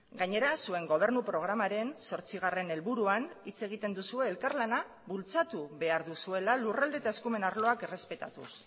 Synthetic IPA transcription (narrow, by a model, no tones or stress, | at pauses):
ɡaɲe̞ɾasue̞ŋɡo̞β̞e̞ɾnupɾo̞ɣ̞ɾamaɾe̞nso̞ɾt͡siɣ̞are̞ne̞lβuɾuanit͡se̞ɣ̞it̪e̞nd̪usue̞ːlkarlana | βult͡sat̪uβe̞aɾðusue̞lalurald̪e̞t̪ae̞skume̞naɾlo̞ake̞re̞spe̞t̪a̰t̪ṵs